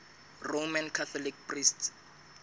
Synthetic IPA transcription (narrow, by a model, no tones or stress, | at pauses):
romankʰat̪ʰɔlikprist